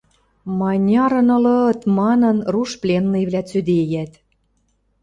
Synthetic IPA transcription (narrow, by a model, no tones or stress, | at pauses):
mɑnʲɑɾɤ̆nɤ̆lɤ̆ɤt̪mɑnɤ̆nruʃplʲenːɤjβlʲæt͡sød̪ejæt̪